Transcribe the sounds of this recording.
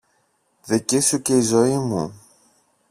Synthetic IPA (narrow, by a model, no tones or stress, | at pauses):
ðicesuce̞izo̞imṵ